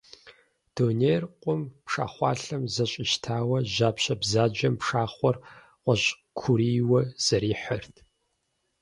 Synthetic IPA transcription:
d̥oːneːrqʷʼʊmpʂa̰ːχʷɑ̰ːɬɐmzɐɕʼɪʃtʰaːwɐʑaːpɕɐbzaːd͡ʒɐmpʂaːχʷɔr | qʷɔɕʼ | kʷʰuɾiːwɐz̥ɐɾiːħɐrtʰ

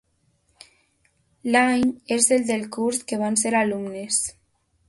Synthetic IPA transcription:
laɲezðeld̪elkuɾskeβ̞anseɾalumnes

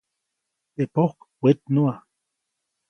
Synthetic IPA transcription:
t̪epohk | wet̪̚nua

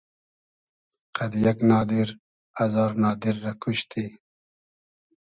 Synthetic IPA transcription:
qad̪ijaknɑːd̪ɪɾ | azɑːɾnɑːd̪ɪɾːakuɕt̪ʰi

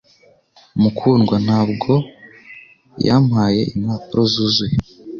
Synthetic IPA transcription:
mukʰuːnɡwan̥haːbɡo̞ | ja̰mhaːje̞ʔinhaːpuɾozuzuje

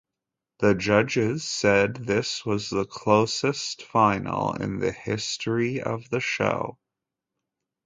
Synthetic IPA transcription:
ðɨd͡ʒʌd͡ʒɪz̥sɛd̪̚ðɪswʌzðəkʰl̥oʊsɨstfãɪ̃nl̩ˠɪ̰̃nðɨ̰hɪstɹiʌ̰vðɨʃo̰ʊ

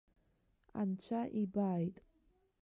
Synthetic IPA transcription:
a̰nt͡ʃʰaʔibajt

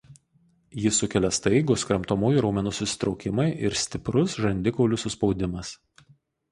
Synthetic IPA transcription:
jɪsʊkʲɛlʲɛst̪ɐɪɡoskɾɐmt̪oːmoːjuˑɾɔʊmʲɛnuːsʊsʲɪ̥t̪ɾɒʊkʲɪmɐɪʔɪɾsʲt̪ʲɪpɾʊsʒɐnʲd̪ʲɪkoʊlʲʊsʊspɒʊd̪ʲɪmɐs

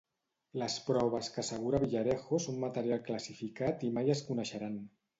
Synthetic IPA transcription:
ləspɾɔβ̞əskəasəɣ̞uɾaβiʎaɾɛxosommat̪əɾjalˠkləsifikat̪imajəskunəʃəɾan

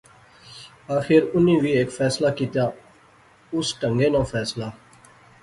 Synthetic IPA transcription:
aːxɪɾʊnĩːʋiːeːkfɛːslaːkiːt̪jaː | ʊsʈəŋɡeːnãːfʰɛːslaː

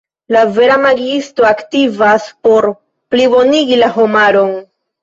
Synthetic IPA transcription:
lave̞ɾamaɡisto̞aktivaspo̞ɾ | pliboniɡilaɦo̞maɾo̞n

